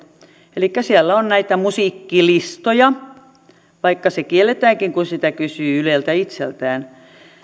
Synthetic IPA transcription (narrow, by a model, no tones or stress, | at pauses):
elikːæsielːæonnæit̪æmusiːˑkːilist̪ojɑ | ʋɑikːɑsekielːˑet̪æːŋkiŋkunsit̪ækysyːylelt̪æit̪sḛlt̪æːn